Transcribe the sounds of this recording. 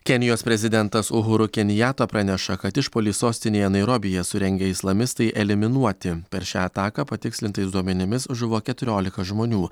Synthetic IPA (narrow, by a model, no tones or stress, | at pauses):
kʲɛnʲɪjoːspʲɾʲɛzʲɪd̪ʲɛnt̪ɐsʊɦʊɾʊkʲɛnʲɪjæːt̪oːpɾɑnʲɛʃɐkɐt̪ɪʃpoːlʲiːsoːsʲt̪ʲɪnʲeːjɛnɐɪɾoːbʲɪjɛsʊɾʲɛŋʲɡʲɛɪslˠɐmʲɪst̪ɐɪʔɛlʲɪmʲɪnuɔt̪ʲɪpʲɛɾʃʲaːɐt̪ɑːkɑpɐt̪ʲɪksʲlʲɪnt̪ɐɪsd̪uɔmʲɛnʲɪmʲɪsʒʊʋoːkʲɛt̪ʊɾʲoːlʲɪkɐʒmoːnʲuː